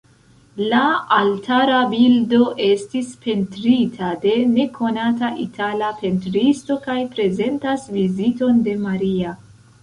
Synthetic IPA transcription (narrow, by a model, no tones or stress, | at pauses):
laːltʰaɾabildo̞ʔe̞stispe̞ntɾitʰade̞ne̞kʰo̞nataʔitʰalape̞ntɾisto̞kajpɾe̞ze̞ntasvizito̞nde̞maɾia